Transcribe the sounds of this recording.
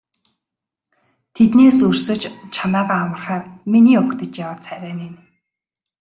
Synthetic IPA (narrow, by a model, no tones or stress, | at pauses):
t̪ʰet̪neːsɵr̥sɵ̆t͡ɕt͡ɕʰamæːʁaːwə̆rχæːrminiːʊkt̪ə̆t͡ɕjawaːt͡sʰæɾʲæːnen